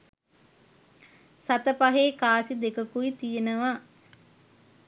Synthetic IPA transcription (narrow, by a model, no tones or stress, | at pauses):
sat̪əpaɦeːkaːsid̪ekəkuit̪ijenəʋa